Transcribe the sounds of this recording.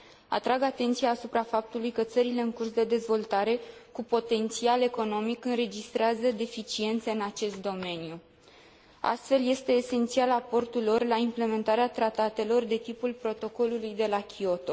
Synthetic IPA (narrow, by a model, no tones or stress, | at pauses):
a̰t̪ɾaɡat̪e̞nt̪sijaːsupɾafap̚t̪ulujkət̪səɾile̞ɨŋkursd̪e̞d̪e̞zvo̞lt̪aɾe̞kupo̞t̪e̞nt̪siale̞ko̞no̞mikɨnɾe̞d͡ʒist̪ɾeazəd̪e̞fit͡ʃie̞nt̪se̞ɨnat͡ʃe̞st̪̚d̪o̞me̞niju | a̰st̪fe̞lje̞st̪e̞ːse̞nt̪sialapo̞rt̪ulo̞rlaimple̞me̞nt̪aɾeat̪ɾat̪at̪e̞lo̞rd̪e̞t̪ipulpɾo̞t̪o̞ko̞lulujd̪e̞lakʲio̞t̪o̞